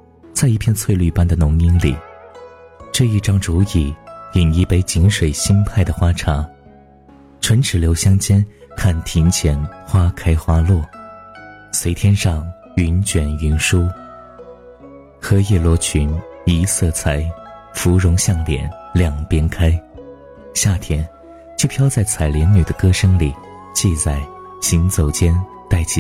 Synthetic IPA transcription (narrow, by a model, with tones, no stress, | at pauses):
t͡sa˥˧ɪi˥˧pʰjɛ˥˧nt͡sʰwe˥˧ɪly˥˩pa˥nd̪ə˨nʊ˧˥ŋi˥nlḭ˨˩˦ | ʈ͡ʂɤ˥˧i˥˩ʈ͡ʂɑ˥ŋʈ͡ʂu˧˥i˨˩i˨˩ni˧˥pe˧˥ɪt͡ɕi˧˥nʂwe˨˩ɪɕi˥npʰa˥˩ɪd̪ə˩xwa˥ʈ͡ʂʰa˧˥ | ʈ͡ʂʰwə˧˥nʈ͡ʂʰɻ̩˨˩ljo˧˥ʊɕjɑ˥ŋt͡ɕjɛ˥nkʰa˥˩nt̪ʰi˧˥nt͡ɕʰjɛ˧˥nxwa˥kʰa˥ɪxwa˥lwɔ˥˩ | swe˧˥ɪt̪ʰjɛ˥nʂɑ˥˧˩ŋ | y˧˥nt͡ɕɥɛ˨˩ny˧˥nʂu˥ | xɤ˧˥jɛ˥˩lwɔ˧˥t͡ɕʰy˧˥ni˧˥sɤ˥˩t͡sʰa˧˩ɪfu˧˥ɻʊ˧˥ŋɕjɑ˥˩ŋljɛ̰˨˩nljɑ˥˩ŋpjɛ˥nkʰa˥ɪ | ɕja˥˩t̪ʰjɛ˥n | t͡ɕjo˥˩ʊpʰjɑ˥ʊt͡sa˥˩ɪt͡sʰa˨˩ɪljɛ˧˥nny˨˩d̪ə˦kɤ˥ʂɤ˥ŋli˨˩˦ | t͡ɕi˥˧t͡sa˥˩ɪ | ɕi˧˥nt͡so˨˩ʊt͡ɕjɛ˥n | t̪a˥˩ɪt͡ɕʰi˧